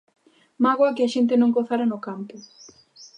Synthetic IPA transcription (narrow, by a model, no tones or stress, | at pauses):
maɣwɐkɪaʃent̪ɪnõŋkoθaɾanʊkampʊ